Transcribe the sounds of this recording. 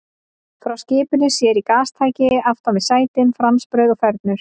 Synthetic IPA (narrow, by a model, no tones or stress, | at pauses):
fɾawscɪːpʏnʏsjɛɾikaːst̪ʰaːjcɪaft̪anvɪðsaːjt̪ɪnfɾamspɾœːɥðɔfɛɾt̪nʏɾ̥